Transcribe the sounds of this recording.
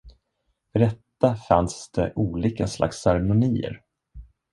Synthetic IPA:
fœɖɛt̪ːafansd̪̥ɛʔuːliːkasla̰ksɛɾɛmʊniːə̰ɾ

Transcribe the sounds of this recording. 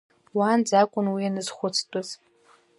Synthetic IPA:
wand͡zakʷʼʊnwianɨz̥χʷʊt͡sʰtʼʊz̥

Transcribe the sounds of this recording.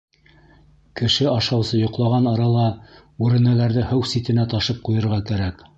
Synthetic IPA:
kɘ̆ʃɘɑʃɑwsɤjŏqlˠɑʁɑnɑɾɑlˠɑ | ʉɾɘ̆nælæɾðɘhɘwsit̪ɘ̆næt̪ɑʃɤp̚qujɤ̆ɾʁɑkæɾæk

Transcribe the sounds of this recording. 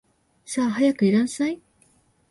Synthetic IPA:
saːɦajakɯ̟iɾãnsai

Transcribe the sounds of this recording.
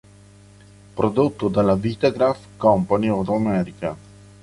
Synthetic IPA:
pɾod̪uk̚t̪od̪alavit̪aɡɾafkɔmpaniod̪amɛɾika

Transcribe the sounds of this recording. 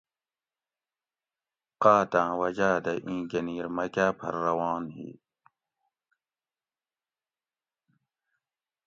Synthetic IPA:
qaːt̪ãːwɐd͡ʑaːd̪ɐʔĩːɡɐniːɾmɐkaːpʰɐ̰ɾːɐwɑːnɦḭː

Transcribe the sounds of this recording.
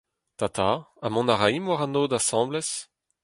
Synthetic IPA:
t̪at̪aamɔ̃naʁaimwaʁãnoːd̪asɑ̃blɛs

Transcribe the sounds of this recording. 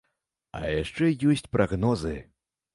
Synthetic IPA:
ɐ̰jaʂt͡ʂɛjɔsʲt͡sʲpɾʔaɣnɔzɨ

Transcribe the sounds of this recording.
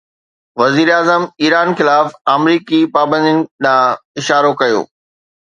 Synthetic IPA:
ʋɐziːɾaːzəmiːɾaːnxɪlaːfaːmɾiːkipaːbə̃nd̪jɪnɪ̆ɗãːɪʃaːɾokɐjo̰ː

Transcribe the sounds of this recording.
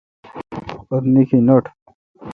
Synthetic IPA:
oɾnikʰinoʈʰ

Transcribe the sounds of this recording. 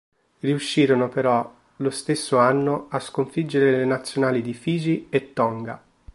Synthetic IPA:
riuʃːiːɾonopeɾɔ | lost̪esːoanːoaskoɱfid͡ʒːeɾelenat̪sːjonaːlid̪ifiːziet̪ːɔŋɡa̰

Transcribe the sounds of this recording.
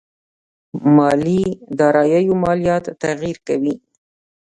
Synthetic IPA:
mɑlid̪ɑɾɑjajomɑlijɑt̪ːaɣiɾkawi

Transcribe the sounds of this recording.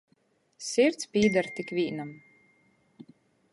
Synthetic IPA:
siɾt̪spʲiːd̪aɾt̪ikvʲiːnam

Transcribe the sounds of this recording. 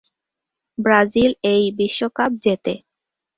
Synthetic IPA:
bɾad͡ʑilejbiʃːokap̚d͡ʑet̪e

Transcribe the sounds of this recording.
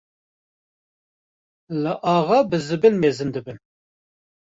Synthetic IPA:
lɨʔɑːʁɑbɨzɨbɨlmeːzɨnd̪ɨbɨn

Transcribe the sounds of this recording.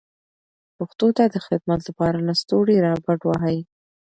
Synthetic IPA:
puxt̪ot̪ad̪əxɪd̪mat̪lapɑɾanast̪oɽiɾɑbaɖwaɦaj

